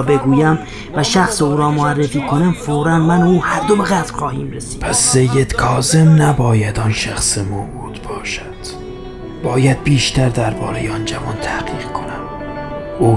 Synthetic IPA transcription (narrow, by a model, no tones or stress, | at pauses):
be̞ɡuːjæm | væʃæxseuːɾɒːmoærːefiːkʰonæmfoːɾænmænuːhæɾd̪obe̞ɣæt̪lxɒːhiːmɾesi̥ːpʰæsːejːed̪̥kʰɒːze̞mnæbɒːjæd̪ɒnʃæxsemobuːd̪̥bɒːʃæd̪̥ | b̥ɒːjæd̪̚biːʃt̪ʰæɾd̪æɾbɒ̰ːɾe̞jeɒnd͡ʒævɒːnt̪ʰæɡiːɣ̥kʰo̞næm | uː